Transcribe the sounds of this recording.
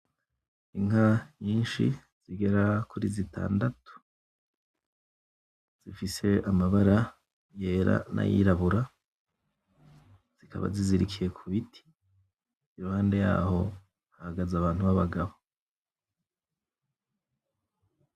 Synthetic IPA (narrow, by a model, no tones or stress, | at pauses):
iŋaɲiːnʃḭ | z̥iɡe̞ɾakuɾizitʰa̰ːndatu̥ | z̥ifise̞amaβaɾa | je̞ːɾa̰nʔa̰jḭɾaβuɾa | z̥ikʰa̰βa̰ziziɾikʰije̞kʰuβitʰi̥ | iɾuhaːnde̞ja̰ːɦo̞ | hahaɡazaβaːn̥huβaβaɡaβo